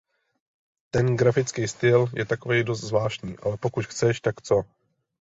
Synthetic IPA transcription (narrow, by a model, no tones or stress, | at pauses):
t̪ɛnɡɾafɪt͡skijst̪ɪljɛt̪ako̞vɛjdo̞st̪zvlaːʃɲḭːʔa̰lɛpo̞kut̪xt͡sɛʃt̪akt͡so̞